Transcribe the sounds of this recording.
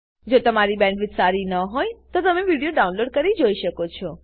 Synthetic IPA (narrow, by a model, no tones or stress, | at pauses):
d͡ʒot̪əmaɾibɛ̃ɳɖʋɪt̪saɾinəɦojt̪ot̪əmeʋiɽijoɖaunloɖ̚kəɾid͡ʒoiʃəkot͡ʃʰɔ